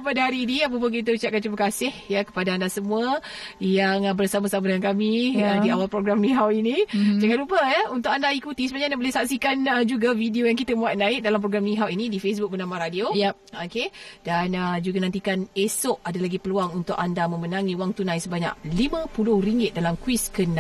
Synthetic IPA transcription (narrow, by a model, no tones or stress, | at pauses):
padaɦaɾiːniap̬əp̬ək̬it̪̬əut͡ʃaʔ̚kant͡ʃumakasɪhjəkə̥padaandasəmuə | jaŋbərsamasamadəŋankamiədiawalpɾoɡɾamniɦawinid͡ʒaŋanlupəjəunt̪ʊkandaikut̪isəbaɲandaʔbolɛhsaksikanəd͡ʒuɡavidiojaŋkit̪əmũat̪̚naɪk̚dalamp̬ɾoɡɾamnĩɦawinidifes̬bʊk̚bənamaɾadio | okedanəd͡ʒuɡanãnt̪ikanesʊʔadalaɡipəluaŋunt̪ʊkandamə̃mənãŋiuwaŋt̪unãjsəbaɲa̰k̚limə̃pulʊhriŋɡɪt̪̚dalamkwiskəna